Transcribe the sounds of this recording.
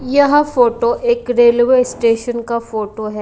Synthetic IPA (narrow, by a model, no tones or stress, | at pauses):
jɐɦãfoːʈoʔeːkɾeːlʋeːsʈeːʃənkafoːʈoɦɛː